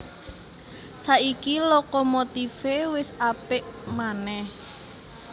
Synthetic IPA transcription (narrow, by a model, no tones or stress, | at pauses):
saʔikilɔkɔmot̪ifewɪsapɪʔmanɛh